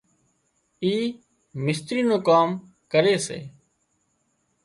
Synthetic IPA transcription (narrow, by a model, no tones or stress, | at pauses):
iː | mɪst̪ɾiːnõːkaːm | kəɾeːsḛː